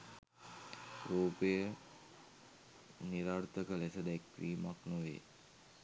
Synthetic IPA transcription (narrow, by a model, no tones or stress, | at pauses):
ɾoːpəjə | niɾaɾt̪əkəlesəd̪ækːɾiːmaknoʋḛː